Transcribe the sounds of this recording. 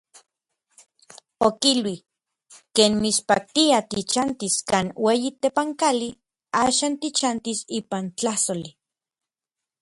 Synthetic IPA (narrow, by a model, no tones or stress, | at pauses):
okilwi | keːnmispa̰k̚t̪iat̪it͡ʃant̪iskaːnweːjit̪epaŋkali | aːʃaːnt̪it͡ʃant̪isiːpant͡ɬahsoli